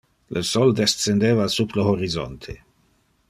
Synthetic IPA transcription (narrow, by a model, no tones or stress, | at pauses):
lʔəsɔld̪essend̪eːvasuploɦoɾizɔ̰nt̪ʰe